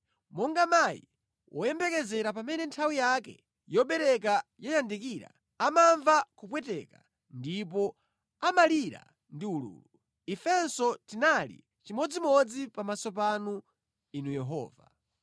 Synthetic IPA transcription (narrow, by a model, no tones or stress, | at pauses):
mɔŋɡamaḭ | wɔjɛmbɛkɛzɛɾapamɛnɛntʰawijakɛ̰ | jɔɓɛɾɛk̬ajɔjandikiɾa̰ | amaɱvakupwɛtɛka̰ | ndip̬ɔ | amaliɾa̰ | ndiulṵːlu | ifɛnsɔtinalḭ | t͡ʃimɔd͡zimɔd͡zipamasɔpanu | inujɛɦɔ̰ːva